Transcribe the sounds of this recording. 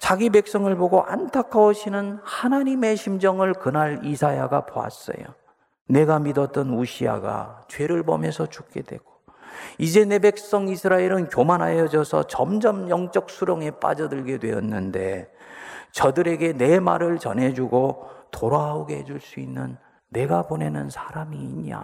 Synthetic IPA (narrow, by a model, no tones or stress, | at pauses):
t͡ɕaɡibek̚s͈ʌŋɯɭboɡoʔa̰ntʰakʰaoɕʰinɯnhanaɲime̞ɕʰimd͡ʑʌŋɯɭkɯnaɾisʰajaɡapoa̰s͈ʌ̰jo̰ | ne̞ɡamidʌt̚t͈ʌnuɕʰia̰ɡa̰t͡ɕwe̞ɾɯɭbʌmjʌsʰʌt͡ɕuk͈̚e̞dwe̞ɡ̥o̥ | id͡ʑe̞ne̞bek̚s͈ʌŋisʰɯɾaeɾɯnkjomanɦajʌd͡ʑʌsʰʌ̰t͡ɕʌmd͡ʑʌmjʌŋt͡ɕ͈ʌk̚sʰuɾoŋe̞p͈a̰d͡ʑʌdɯɭɡe̞dwe̞ʌ̰nːɯnde̞ | t͡ɕʌdɯɾe̞ɡe̞ne̞ma̰ɾɯɭt͡ɕʌnɦe̞d͡ʑuɡotoɾaoɡeɦed͡ʑuɭs͈uinːɯnː | e̞ɡabone̞nɯnsʰḁɾamiːɲa̰